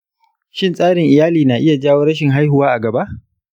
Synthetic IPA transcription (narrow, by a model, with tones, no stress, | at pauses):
ʃɪ˦nsʼaː˦ɽɪ˨ŋʔɪ˨jaː˦liː˨na˨ʔɪ˦ja˨d͡ʒaː˦woː˦ɾɐ˦ʃ̬ɪ˨ŋɦa˦jhʊ˨waː˦ʔa˨ɡɐ˨ba˦ʔ